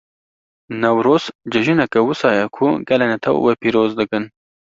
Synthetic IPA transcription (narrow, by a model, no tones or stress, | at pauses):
nawɾoːsd͡ʒɐʒunakawusɑjakʰuɡɐlenat̪ʰa̰w̰wepiɾoːzd̪əɡən